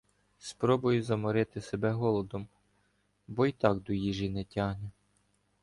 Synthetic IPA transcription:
spɾɔbʊjʊzɐmɔɾɪt̪ɪsebɛɦɔlˠɔd̪ɔm | bɔit̪ɑkd̪ɔjiʒinɛtʲɑɦnʲɛ

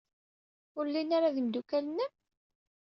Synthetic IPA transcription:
ʊɾlːinaɾaðimd̪ukælənːæ

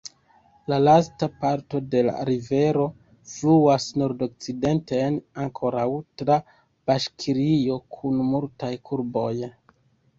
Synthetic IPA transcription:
lalastapaɾto̞de̞la̰ɾive̞ɾo̞ | fluasno̞ɾdo̞k̚t͡side̞ntenaŋkʰo̞ɾawtɾa | b̥aʃkʰiɾio̞kʰunmultajkʰuɾbo̞j

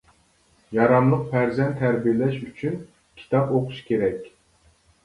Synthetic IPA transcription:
jɑɾɑmlˠəq̚pʰæɾzɛnt̪ʰːæɾbijlɛʃyt͡ʃʰyn | kʲʰi̥t̪ʰɑpoqʰu̥ʃkʲʰeɾɛkʲ

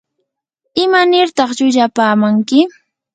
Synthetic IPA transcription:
ɪmanɪɾt̪ɑχʎʊʎapaːmaŋkɪ

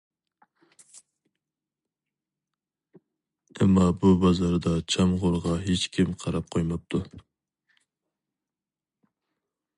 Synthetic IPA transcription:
ɛmːɑbubɑzɑɾd̪ɑt͡ʃʰɑmʁoɾʁɑɦet͡ʃkʲʰimqʰɑɾɑp̚qʰojmɑp̚t̪ʰu

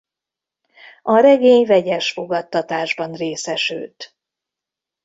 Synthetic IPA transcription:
ɒɾɛɡeːɲvɛɟɛʃfo̞ɡɒt̪ːɒt̪aːʒbɒnreːsɛʃy̰lt̪

